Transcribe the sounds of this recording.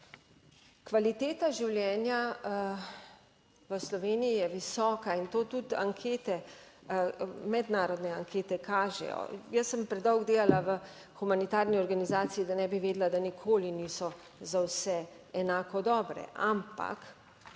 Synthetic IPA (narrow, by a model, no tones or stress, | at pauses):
kʋalit̪eːt̪aʒiwljɛːnja | ʋəslɔʋeːnijijɛʋisɔːkaint̪oːt̪ut̪a̰ŋkʰeːt̪ɛ | mɛd̪naːɾɔd̪nɛaŋkʰeːt̪ɛkʰaːʒɛ̰jɔ̰jəsːəmpɾɛd̪ɔwɡd̪eːlalaʋə | xumanit̪aːɾniɔɾɡanizaːsijid̪anɛbiʋeːd̪lad̪anikʰoːliniːsɔ | zawsɛ | ɛnaːkɔd̪ɔːbɾɛ̰ʔampa̰k